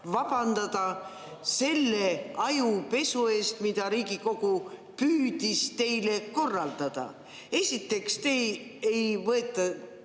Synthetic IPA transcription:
vɑb̥ɑnd̪̥ɑd̪̥ɑ | se̞lːe̞ɑjupe̞sue̞ːst̪mid̪̥ɑɾiːɡiko̞ɡ̥u | pyːd̪̥ist̪e̞jle̞ko̞rːɑld̪̥ɑd̪̥ɑ̰ | e̞sʲit̪ːˑe̞kst̪ejejvɤet̪ˑːɑ

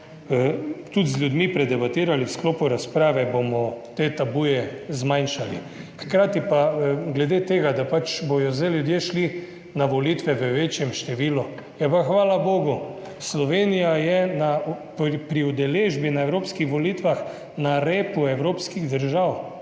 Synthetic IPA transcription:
t̪ut̪zlʲjud̪mipɾɛd̪ɛbat̪iːɾaliwsklɔːpuɾaspɾaːʋɛbomɔt̪eːt̪abujɛzmajnʃalḭ | xkɾaːt̪ipaɡlɛd̪et̪eːɡad̪apat͡ʃbɔjɔzajlʲjud̪jeʃli | naʋɔliːt̪ʋɛʋəʋeːt͡ʃjɛmʃt̪ɛʋiːlu | jɛpaxʋaːlaboːɡu | slɔʋeːnijajɛnappɾiud̪ɛleːʒbinaewɾoːpskixʋɔlit̪ʋax | naɾeːpuɛwɾoːpskiɣd̪əɾʒaw

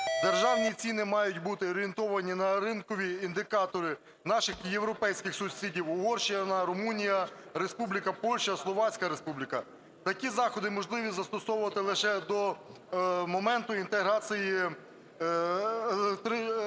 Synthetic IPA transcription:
d̪erʒɑwnʲit͡sʲinɪmɑjʊtʲbut̪ɪɔɾʲient̪ɔʋɐnʲinɐɾɪnkɔʋʲiːnd̪ɪkɑt̪ɔɾɪ | nɑʃɪxjewɾɔpɛjsʲkʲɪxsʊsʲidʲiwʊɦɔrʃijɐnɐɾʊmunʲijɐɾespublʲɪkɐpɔlʲʃɐslˠɔʋɑt͡sʲkɐɾespublʲɪkɐ | t̪ɐkʲizɑxɔd̪ɪmɔʒlˠɪʋʲizɐst̪ɔsɔwʊʋɐt̪ɪlˠɪʃɛd̪ɔ | mɔmɛnt̪ʊint̪eɦɾɑt͡s̪ʲiji | t̪ɾɪ

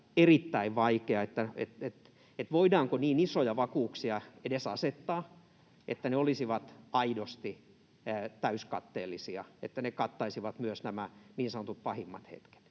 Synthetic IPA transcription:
erit̪ːæiʋʋɑikeɑet̪ːæḛt̪et̪ | et̪ʋoidɑːŋkoniːnisojɑʋɑkuːksiɑedesɑ̰set̪ːɑː | ʔet̪ːæneolisiʋɑt̪ɑidost̪i | t̪æyskɑ̰t̪ːeːlːisiɑet̪ːænekɑt̪ːɑisiʋɑt̪myøsnæmæniːnsɑnŏt̪ut̪̚pɑhimːɑt̪hḛt̪ke̥t̪

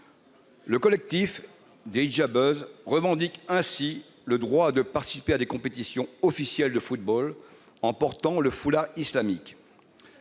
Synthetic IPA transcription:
ləkɔlɛk̚t̪if | d̪eʒabøzʁəvɑ̃d̪ikɛ̃si | ləd̪ʁwad̪əpaʁt̪i̥si̥pead̪ekɔ̃pet̪isjɔ̃ɔfisjɛld̪əfut̪̚bɔl | ɑ̃pɔʁt̪ɑ̃ləfulaʁislamik

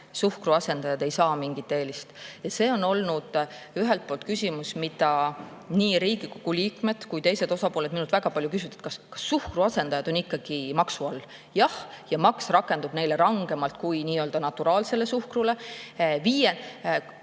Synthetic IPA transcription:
suhkruɑse̞nd̪ɑjɑd̪̥e̞jsɑːmiŋɡit̪ːˑe̞ːlist̪jɑse̞ːono̞lnud̪̥ | yɦe̞lt̪̚po̞ːlt̪̚kysʲimusmid̪ɑniːɾiːɡ̥ikoɡuliːkˑme̞d̪̥kujt̪e̞jse̞d̪o̞sɑpole̞d̪minut̪væɡ̥ɑpɑlʲjukys̬ʲit̪e̥t̪kɑskɑ̥sːuhkruɑse̞nd̪ɑjɑd̪̥o̞nikːɑɡ̥imɑksuɑlː | jɑh | jɑmɑksrɑkːˑe̞nd̪ub̥ne̞jle̞ɾɑŋɡe̞mɑlt̪̚kujniːøld̪ɑnɑt̪ːuɾɑːlse̞le̞suhkrule̞viːjen

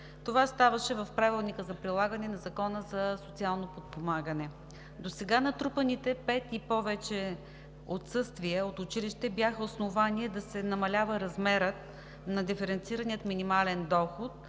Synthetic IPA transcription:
t̪ovast̪avəʃɛvɐfpɾavilˠnikəzɐpɾilˠaɡənɛnɐzɐkɔnəzɐsot̪sialˠnopot̪̚pomaɡənɛ | d̪osɛɡanɐt̪ɾupənit̪ɛpɛt̪ipɔvɛt͡ʃɛ | ot̪sɤst̪viəot̪ʊt͡ʃiliʃt̪ɛbjaxəosnovaniɛd̪ɐsɛnɐmɐlʲavəɾɐzmɛɾət̪ | nɐd̪ifɛɾɛnt̪siɾəniət̪minimalɛnd̪ɔxʊt̪̚

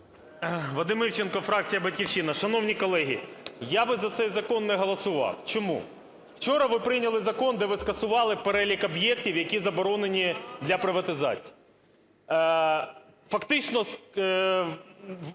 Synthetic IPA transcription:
ʋɐd̪ɪmɪwt͡ʃenkɔfɾɑk̚t͡sʲijɐbɐtʲkʲiwʃinɐʃɐnɔwnʲikɔlˠɛɦʲijabɪzɐt̪sɛjzɐkɔnːɛɦɔlˠɐsʊʋɑ̰wt͡ʃɔmṵ | w̥t͡ʃɔɾɐʋɪpɾɪnʲɐlˠɪzɐkɔnd̪ɛʋɪskɐsʊʋɑlˠɪpeɾɛlʲikɔbjɛk̚tʲiwjɐkʲizɐbɔɾɔnenʲid̪lʲɐpɾɪʋɐt̪ɪzɑ̰t͡sʲi̥ji | fɐkt̪ɪt͡ʃnɔs

